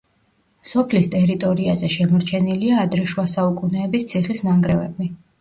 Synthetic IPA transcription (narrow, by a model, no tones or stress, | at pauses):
sɔpʰlist̪ʼɛɾit̪ʼɔɾiazɛʃɛmɔɾt͡ʃʰɛniliaːd̪ɾɛʃwasaukʼunɛːbist̪sʰiχisnaŋɡɾɛvɛ̰bi